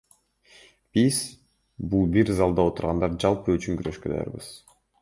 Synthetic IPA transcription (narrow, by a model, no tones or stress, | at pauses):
b̥iz̥ | bulˠbiɾzɑlˠd̪ɑo̞t̪uɾʁɑnd̪ɑɾd͡ʒɑlˠpɯyt͡ʃyŋkyɾø̞ʃkød̪ɑ̰jɑ̰ɾbɯ̰z̥